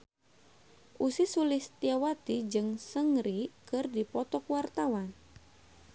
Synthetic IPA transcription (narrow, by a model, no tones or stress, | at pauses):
ʔusisulɪst̪jawat̪id͡ʒɨŋsəŋɾikɨrdipɔt̪ɔkwart̪awan